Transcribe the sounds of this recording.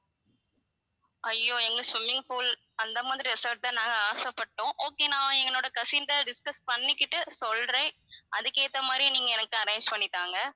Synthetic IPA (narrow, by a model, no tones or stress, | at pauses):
ɐjːoːɛŋɡɐɭɯsʋɪmːɪ̃ŋfuːl | ɐnd̪ɐmaːðɪɾiɪsɐʈ̚t̪aːnãːŋɡɐaːsɐpːɐʈːõːʔoːkeːnãːɛŋɡɐɭoːɽɐkɐsɪnd̪ɐɖɪskɐspɐɳːɪkːɪʈːɯsɔlɾɐɪ | ɐðɯkeːt̪ːɐmaːd̪ɾĩniːŋɡɐɛnɐkːɯɐɾeɪɲd͡ʒpɐɳːɪt̪ːaːŋɡɐ